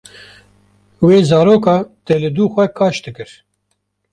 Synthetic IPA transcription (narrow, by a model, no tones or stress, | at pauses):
weːzɑːɾoːkɑːt̪ɛlɨd̪uːxʷɛkʰɑːʃd̪ɨkɨɾ